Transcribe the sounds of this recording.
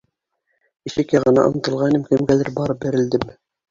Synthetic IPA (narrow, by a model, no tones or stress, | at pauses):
ĭʃɘ̆kjæʁɤ̆nɑ̰ʔŏ̰nɤ̆t̪ɤ̆lˠʁɑinɘmkɘ̆mɡælɘɾbɑɾɤp̚bɘ̆ɾɘ̆ld̪ɘm